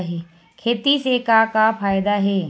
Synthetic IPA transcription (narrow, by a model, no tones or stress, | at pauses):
ɦɛ | kʰeːt̪isekakafʰaːjd̪aɦɛː